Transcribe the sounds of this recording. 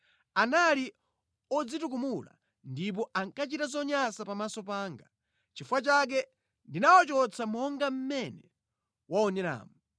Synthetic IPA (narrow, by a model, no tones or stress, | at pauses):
anali | ɔd͡zituk̬umula̰ | ndip̬ɔʔaŋkat͡ʃitazɔɲasapamasɔpaːŋɡa | t͡ʃifwat͡ʃak̬ɛ | ndinawɔt͡ʃɔt͡sʰamɔŋɡam̩mɛnɛ | waɔnɛɾa̰ːmu